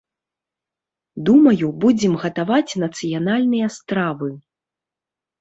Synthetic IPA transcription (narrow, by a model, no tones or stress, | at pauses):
d̪umɐjubud͡zʲɛmɣɐt̪avat͡sʲnɐt̪sɨjanalʲnɨjɐst̪ɾavɨ